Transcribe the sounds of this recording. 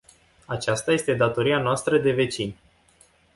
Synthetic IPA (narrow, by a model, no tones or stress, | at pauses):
at͡ʃast̪aje̞st̪e̞d̪at̪o̞ɾianoast̪ɾəd̪e̞ve̞t͡ʃin